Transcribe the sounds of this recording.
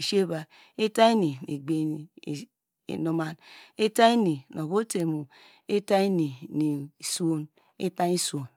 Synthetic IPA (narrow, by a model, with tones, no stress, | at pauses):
i˨ʃe˦ba˨ | e˦ta˦i˦ni˨nḭ˨ɡ͡be˨n˨ | no˨ma˨ne˦ta˦i˦ni˨no˨βo˦te˨mu˨ | e˦ta˦i˦ni˨ni˨so˦n | ḛ˦ta˦i˦so˨n